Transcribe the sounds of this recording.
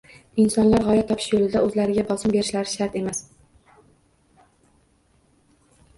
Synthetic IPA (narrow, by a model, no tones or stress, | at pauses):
ɪnsɒnlaɾʁɒjat̪ʰɒpʰɪ̥ʃjolɪd̪aɵzlaɾɪɡʲabɒsɪmbe̞ɾɪʃlaɾɪʃaɾt̪e̞mas